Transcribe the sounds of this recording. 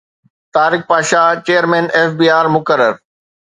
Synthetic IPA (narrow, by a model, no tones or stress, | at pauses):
t̪aːɾɪk̚paːʃaːt͡ɕeːəɾmẽːneːfbiːaːɾmʊkəɾəɾ